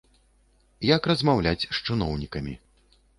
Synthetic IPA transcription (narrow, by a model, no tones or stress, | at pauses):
jɐkrɐzmawlʲat͡sʲʂt͡ʂɨnɔwnʲikɐmʲḭ